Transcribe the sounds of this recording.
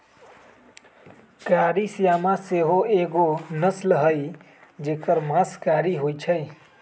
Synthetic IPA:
kaɾisijamãseɦoeɡonəslɦəj | d͡ʒekəɾmãskaɾiɦojt͡ʃʰəj

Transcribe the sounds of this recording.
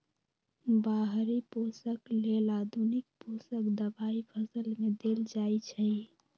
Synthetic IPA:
baɦɾiposəklelad̪ʱunik̚posəkd̪əbaipʰəsəlmed̪eld͡ʒajt͡ʃʰəj

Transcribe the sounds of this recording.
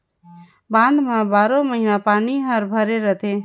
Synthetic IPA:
bãnd̪mabaɾoməɦinapaniɦəɾbʱəɾeɾət̪ʰe

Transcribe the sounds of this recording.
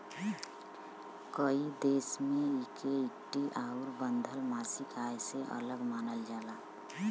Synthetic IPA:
kəid̪eːsmẽikeɪkʈiʔaʊɾbənd̪ʱəlmaːsikajseʔə̰ləɡmaːnəld͡ʒaːla

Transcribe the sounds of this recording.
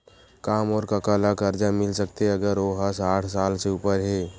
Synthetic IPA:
kaːmɔːɾkakaːlakəɾd͡ʒamɪlsəkt̪ɐɡəɾoːɦasaːʈʰsaːlseuːpəɾɦɛː

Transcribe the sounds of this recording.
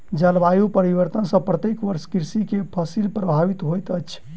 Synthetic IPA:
d͡ʒəlbajupəɾibəɾt̪ənsə̃pɾət̪ekʋəɾʃkiɾsikepʰəsilpɾəbʱabit̪ɦojt̪ət͡ʃʰ

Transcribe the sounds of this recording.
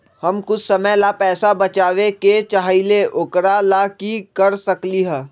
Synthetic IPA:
hɐmkʊt͡ʃʰsɐməjlapɛːsabɐt͡ʃaːʋeket͡ʃaːɦileʔʊkɾalakikɐɾsɐkliɦɛ̃ː

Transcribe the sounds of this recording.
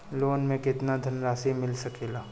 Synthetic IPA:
loːnmẽkɪt̪nad̪ʱɐnɾaːsimɪlsɐkeːlaː

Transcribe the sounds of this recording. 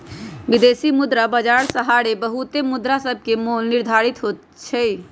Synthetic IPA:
ʋid̪esimud̪ɾabəd͡ʒaɾsəɦaɾebəɦut̪emud̪ɾasəbʱkemolniɾd̪ʱaɾit̪ɦot̪ | t͡ʃʰɛ

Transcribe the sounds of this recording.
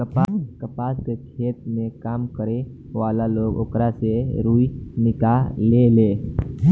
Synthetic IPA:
kəpaskəpaskekʰeːt̪mẽkaːmkəɾe | ʋaːlaloɡo̰ːkɾaseɾuinɪkalele

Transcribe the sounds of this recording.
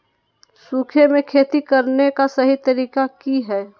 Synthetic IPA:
suːkʰemẽkʰeːt̪ikɐɾnekasɐɦit̪ɐɾiːkakiɦɛː

